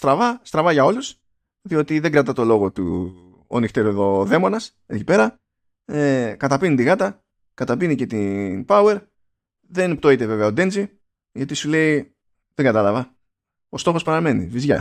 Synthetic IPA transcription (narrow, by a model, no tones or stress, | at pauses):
st̪ɾɐvɐst̪ɾɐvɐʝɐo̞lus | ðio̞t̪iðe̞ŋɡɾɐt̪ɐt̪o̞lo̞ɣo̞t̪ṵ | o̰nixt̪eɾoðo̞ðe̞mo̞nɐs | ecipe̞ɾɐ | ekɐt̪ɐpinit̪iɣɐt̪ɐ | kɐt̪ɐpinice̞t̪inpɐue̞ɾ | ðe̞npt̪o̞it̪e̞ve̞veɐod̪e̞nd͡zi | ʝɐt̪isule̞i | ðeŋɡɐt̪ɐlɐvɐ | o̞st̪o̞xo̞spɐɾɐme̞nḭvizʝɐ̰